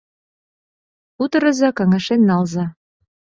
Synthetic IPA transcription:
ut̪ɤ̆ɾɤ̆zɑkɑŋɑʃenːɑlzɑ

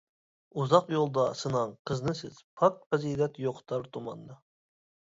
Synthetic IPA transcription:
uzɑqjolˠd̪ɑsɨnɑŋqʰəznɨsɪz̥pʰɑk̚t̪̚pʰɑzid̪ɛt̪joqʰt̪ʰɑɾt̪ʰumɑnːɨ

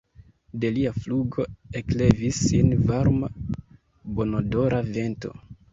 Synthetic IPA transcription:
de̞liafluɡo̞e̞kle̞visːinvaɾma | bo̞nodo̞ɾʔave̞nto̞̰

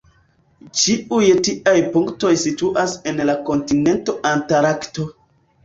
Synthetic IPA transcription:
t͡ʃiujtiʔajpuŋkto̞jsituʔasenlako̞ntine̞nto̞ʔantaɾakto̞

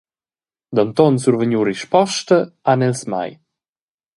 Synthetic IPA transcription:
d̪ant̪ɔnsuɾvəɲuɾiʃpɔʃt̪əanɛlsma̰j

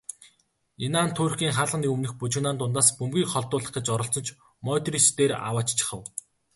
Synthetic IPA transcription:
enaːnt̪ʰoːrxʲiːŋχaːɮʁə̆niɵmnɘ̆xput͡ɕɪ̆ɣnaːnt̪ʊnt̪aːspɵmɡʲiːkχɔɮt̪ʊːɮə̆χɡĕt͡ɕɔɾɞ̆ɬt͡sɞ̆nt͡ɕʰ | mœːt̪rist̪eːra̰waːt͡ɕt͡ɕʰɪ̥̆χə̆w

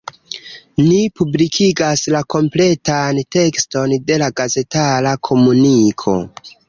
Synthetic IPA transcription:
nipublikʰiɡaslako̞mple̞tante̞ksto̞nde̞laɡaze̞talakʰo̞munikʰo̞̰

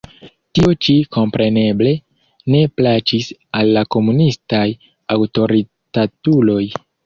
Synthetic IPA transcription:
tiot͡ʃiko̞mpɾe̞ne̞ble̞ | ne̞plat͡ʃisalːako̞munistaj | awto̞ɾi | tatulo̞j

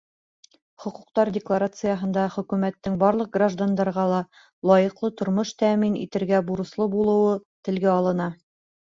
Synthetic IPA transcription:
χŏquq̚t̪ɑɾdʲɪklˠaɾat̪sɨjəɦɤ̆nd̪ɑχɵ̆kʉmæt̪ːɘŋbɑɾlˠɤq̚ɡraʒd̪and̪ɑɾʁɑlˠɑ | lˠɑjɤ̆qlˠɤt̪ŏɾmoʃt̪æminḭt̪ɘ̆ɾɡæbuɾɤ̆slˠɤbulˠɤ̆wɤt̪ɘ̆lɡæɑlˠɤ̆nɑ

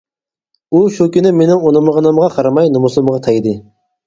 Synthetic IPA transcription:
uʃukʲynɪmenɪŋonɨmʁɑnɨmʁɑqʰɑɾɑmɑjnumusɨmʁɑt̪ʰɑjd̪ɨ

